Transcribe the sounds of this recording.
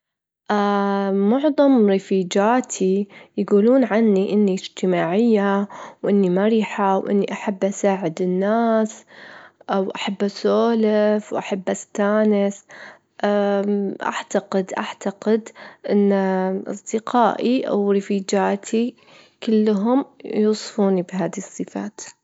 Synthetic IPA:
ʔamʊʕðˤɑmɾɪfiːd͡ʒaːt̪ʰijɡuːluːnʕanːiʔɪnːiɪd͡ʒt̪ɪmaːʕɪjːawʔɪnːimaɾiːħawʔɪ̰nːiʔaħabːʔasaːʕɪd̪ɪnːaːs | ʔawʔaħabːʔasoːlɪfwʔaħabːʔast̪aːnɪs | ʔaʔa̰ʕt̪aqɪd̪ʔaʕt̪aqɪd̪ʔɪnːʔɑ̰sˤd̪ɪqaːʔiʔa̰wɾɪfiːd͡ʒaːt̪ʰi | kɪlːɦʊmjuːsˤfuːnibɦaːðisˤːɨfa̰ːt̪

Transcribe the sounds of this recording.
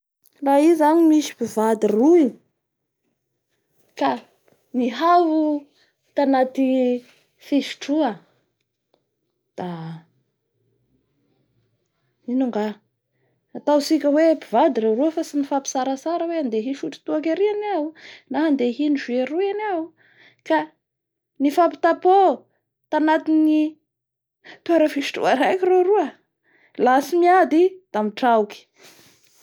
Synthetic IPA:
raizanimiʃi̥pivad̪iruj | ka | niɦavu | t̪anat̪i | fiʃi̥ʈ͡ʂuə | d̪̥a | inuŋɡaː | t̪awsikʲəwebivad̪iɾeruəfasinifapi̥saɾasaɾəweand̪eɦiʃuʈ͡ʂi̥t̪uakʲaɾianawnaɦand̪eɦiniʒueɾuanaw | ka | nifapi̥t̪apo | t̪anat̪ini | t̪uaɾəfiʃi̥ʈ͡ʂṵaɾajkireɾuə | lasimiad̪id̪̥amiʈ͡ʂawki̥

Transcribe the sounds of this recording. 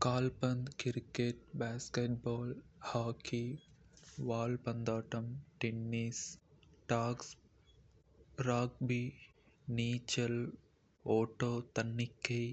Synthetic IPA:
kaːlpɐnd̪kɪɾkeːʈ̚baːskeːʈ̚bɔːlhaːkʰi | ʋaːlpɐnd̪aːʈɐmʈenːiːsʈaːks | ɾaːk̚biː | niːt͡ʃɐl | oːʈoːt̪ɐnːɪkːe

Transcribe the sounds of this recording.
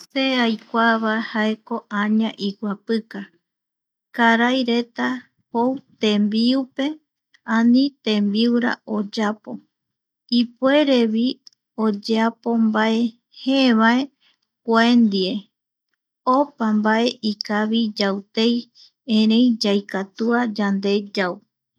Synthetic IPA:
seajkʷaβahaeko̞ʔãɲãʔikʷapɨka | kaɾajɾe̞t̪a | howt̪ẽ̞mbiupe̞ | ãnĩt̪ẽmbiuɾa̰od͡ʒapo̞ | ipue̞ɾe̞βi | od͡ʒeapo̞mbae̞ | heβae̞ | kʷend̪ie̞ | opambaʔe̞ʔikaβid͡ʒawt̪ej | ẽɾẽjd͡ʒajkat̪uad͡ʒand̪e̞d͡ʒaw

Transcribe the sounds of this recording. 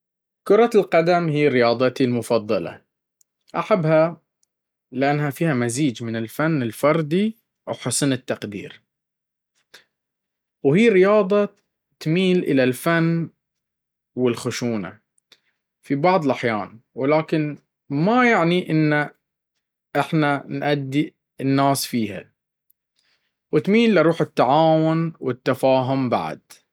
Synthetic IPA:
kʊɾˤɑlqad̪amhiːɾɪjɑːd̪ˤɑt̪ilmʊfɑd̪ˤːɑlɑ̰ | ʔaħabːha | lɪʔanːhafiːhamaziːd͡ʒmɪnɪlfanːɪlfɑɾˤd̪ˤi | wħʊsnɪt̪ːaqd̪ḭːɾ | whiːɾɪjɑːd̪ˤɑ | t̪miːlʔɪ̰lalfanː | wɪlxʊʃuːna̰ | fibɑʕðˤlʔaħjaːnwɪlaːkɪn | majaʕniʔɪnːa | ʔɪħnanʔad̪ːi | ɪnːaːsfiːha̰ | wɪt̪miːlːaɾˤuːħɪt̪ːaʕaːwʊnwɪt̪ːafaːɦʊmba̰ʕa̰d̪̥

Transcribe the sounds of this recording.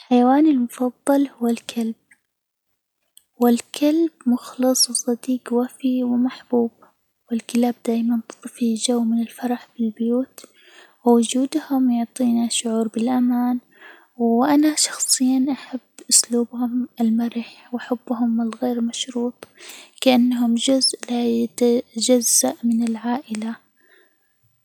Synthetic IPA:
lħajawaːnɪlmʊfɑðˤːɑlhʊwːalkʰalb̥̚ | wɪlkʰalbmʊxlɨsˤwsˤɑd̪iːqwafiwɪmaħb̥uːb | wɪlkɪlaːb̚d̪aːjmant̪ɨ̥t̪ˤɨfid͡ʒawːmɪnɪlfɑɾˤɑħbɪlbɪjuːt̪ | wɪwʊd͡ʒuːd̪hʊmjʊʕt̪ˤiːnaʃʊʕuːɾbɪlʔamaːn | wʔanaʃɑ̥xsˤɨjːanʔaħabːʔʊsluːbhʊmɪlmaɾɪħwʔaħabːɦʊmɪlɣeːɾmaʃɾuːt̪ˤkaʔanːaɦʊmd͡ʒʊzʔlajat̪ad͡ʒazːaʔmɪnɪlʕaːʔɪla

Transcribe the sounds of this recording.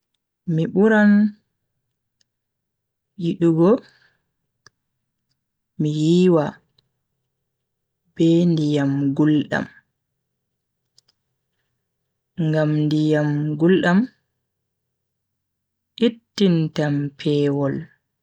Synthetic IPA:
miɓuɾan | jiɗuɡɔ | mijiːwa | b̥ɛndijamɡulɗa̰m | ŋɡamndijamɡulɗam | ʔitːintampʰɛːwɔl

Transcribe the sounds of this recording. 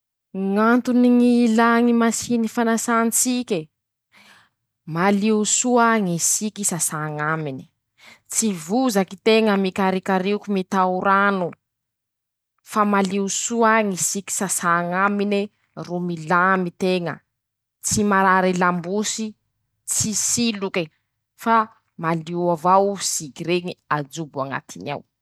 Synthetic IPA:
ŋant̪uniŋilaŋimasinifanasant͡sikʲe | maliusuaŋisikisasaŋamini̥ | t͡sivuzakit̪eŋəmikaɾikaɾikumit̪auɾanu | famaliusuaŋisiki̥sasaŋamini | rumilamit̪eŋə̰ | t͡simaɾaɾilambusi | t͡sisiluki | fa | maliavawz̥ikiɾeɲiad͡zubuaŋa̰t̪ʰinia̰w

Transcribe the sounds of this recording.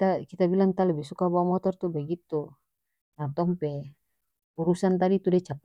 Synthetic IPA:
t̪akit̪abilaŋt̪alɛbisukabamɔt̪ɔrt̪ubaɡit̪u | nat̪ɔmpɛ | uɾusant̪adit̪udɛt͡ʃap̚

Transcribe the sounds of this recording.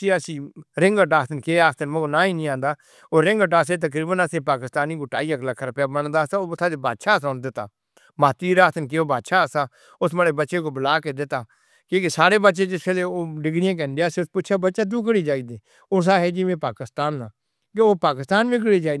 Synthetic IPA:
t͡ʃiːəsĩːɾɪ̃ŋɡəʈaːt̪ʰnkeːaːkt̪ənmoonãːĩːnĩːãːnd̪aː | oːɾɪŋɡəʈaːseːt̪̬ək̬ɾiːbənəsẽːpaːkɪst̪aːniːkoːʈaːiːəkləkʰːɾəpjaːbənd̪aːsaːʊsʰaːd̪ebaːd̪ʃaːsaːnd̪ɪt̪ːa̰ː | maːt̪iːɾaːt̪ənk̬eoːbaːd̪ʃaːəsaː | ʊsməɽeːbətːʃeːkoːbəlaːked̪ɪt̪ːaː | keːkesaːɾeːbətːʃeːd͡ʒɪpʰeleːoːɖɪɡɽɪjãːk̬ɛ̃ːnd̪eaːseːʊspʊʃʰaːbətːʃaːd̪uːkəɽiːd͡ʒaːiːd̪eː | ʊs̬aːɦɛːd͡ʒiʋẽːpaːkɪst̪aːnːãː | keoːpaːkɪst̪aːnʋĩːk̬əɽiːd͡ʒaː

